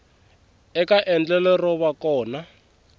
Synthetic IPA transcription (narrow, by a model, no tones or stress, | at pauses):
ɛkaʔɛnd͡ɮɛlɛrɔβakɔːna